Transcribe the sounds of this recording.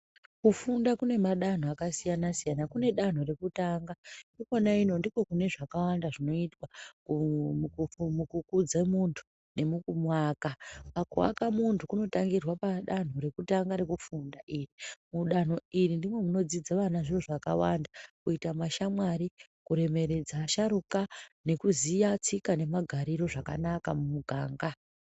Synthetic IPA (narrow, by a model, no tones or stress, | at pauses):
kufundakune̞maɗan̤oakasijanasijanakune̞ɗan̤o̞ɾe̞kutaːŋɡandokonaino̞ndiko̞kune̞ʐakawandaʐino̞itwaku | mukukud͡zemuntʰu̥ | ne̞mukumwakapakṵwa̰kamuntʰukuno̞taŋɡirwapaɗan̤uɾe̞kutaŋɡaɾe̞kufundaʔiːrimuɗan̤oirindimwe̞muno̞d͡zid͡zaʋanaʐiro̞ʐakawandakuitamaʃamwaɾikuɾe̞me̞ɾe̞d͡zaʃaɾukane̞kuzijat͡sikane̞maɡʱaɾiɾo̞ʐaka̰nakamumuɡʱaːŋɡa